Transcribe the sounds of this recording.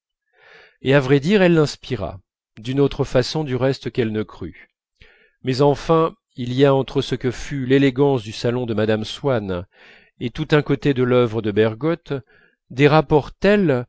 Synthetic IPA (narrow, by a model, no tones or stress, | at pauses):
eavʁɛd̪iʁɛlːɛ̃spiʁa̰ | d̪ynot̪χəfasɔ̃d̪yʁɛst̪kɛlnəkχy̰ | mɛzɑ̃fɛ̃ | iliaɑ̃t̪χəsəkəfyleleɡɑ̃sd̪ysalɔ̃d̪əmad̪amswan | et̪ut̪ɛ̃kot̪ed̪əlœvʁəd̪əbɛʁɡɔt̪ | d̪eʁapɔʁt̪ɛl